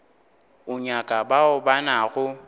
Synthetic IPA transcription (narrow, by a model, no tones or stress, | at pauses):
ʊɲakʼabaʊbanaɣʊ